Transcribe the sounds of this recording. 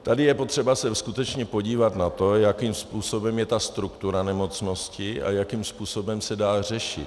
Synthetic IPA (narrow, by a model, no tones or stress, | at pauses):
t̪adɪjɛpo̞t̪r̝̥ɛbasɛskut̪ɛt͡ʃɲɛpo̞ɟiːvat̪nat̪o̞jakimspuːso̞bɛmjɛt̪ast̪ɾukt̪uɾanɛmo̞t͡sno̞scɪʔa̰jakimspuːso̞bɛmsɛdaːr̝ɛʃɪ̰t̪